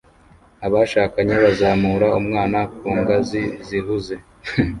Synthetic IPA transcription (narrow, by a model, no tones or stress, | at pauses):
aβaʃaːkaɲeβazaːmuːɾaumŋaːnak̚uːŋɡaziziɦuze̞